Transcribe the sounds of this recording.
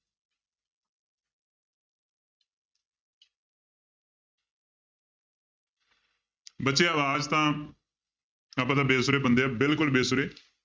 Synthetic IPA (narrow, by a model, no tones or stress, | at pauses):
bətːʃeːəʋaːd͡ʒt̪ãː | apə̃t̪ãːbeːsʊɾeːbənd̪eːaːbɪlkʊlbeːsʊɾeː